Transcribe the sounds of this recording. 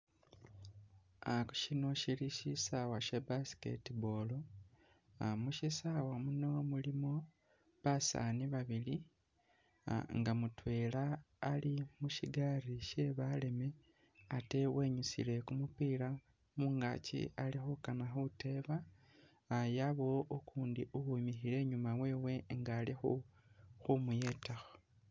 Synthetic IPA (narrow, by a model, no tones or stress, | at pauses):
aku̥ʃino̞ʃiliʃisawaʃebasi̥kḛtibolo | amuʃisawamuno̞mulimo̞ | βasa̰niβaβili | ŋɡamutwe̞laː | limuʃiɡariʃe̞βale̞me̞ | ate̞we̞ɲusḭle̞kumupiːla | muŋɡa̰cḭalixukanaxute̞βa | jaβo̞ːkuːndiʔuhumixile̞ɲumawe̞ːwe̞ŋɡalixuxumuje̞ːtaxo